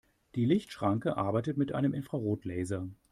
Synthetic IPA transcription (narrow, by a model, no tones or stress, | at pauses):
d̥iːlɪçtʃʁ̥aŋkəʔa̰ɐbaɪtətmɪtʔa̰ɪnəmʔɪnfʁ̥aʁoːtʰlɛːzɐ